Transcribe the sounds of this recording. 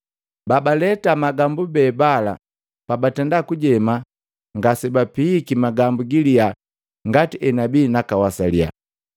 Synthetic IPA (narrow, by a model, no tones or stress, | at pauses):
babalɛtamaɡambubɛːbala | pabatɛndakuɟɛma | ŋɡasɛbapikimaɡambuɡilia | ŋɡatiʔɛnabiːnakawasalja̰